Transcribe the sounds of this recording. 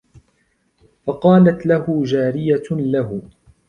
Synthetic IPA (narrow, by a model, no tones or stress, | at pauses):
fɑqɑːlat̪lahʊd͡ʒaːɾɪjalahʊ